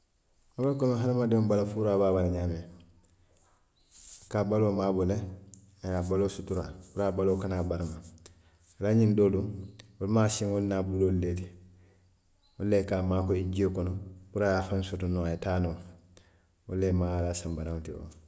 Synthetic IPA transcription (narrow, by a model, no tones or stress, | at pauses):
olakonõɦanamadiõmbalafuɾaːbaːbalɲaːme | akabaloːmaːbole | ajaːbaloːsutuɾabuɾaːbaloːkanaːbaɾama | alaɲindoːduolumaːsĩŋolnaːbulolːeti | olːekamaːkoiɟiekonobuɾajafansotunoajetaːno | olːemalaːsambaɾaŋtio̰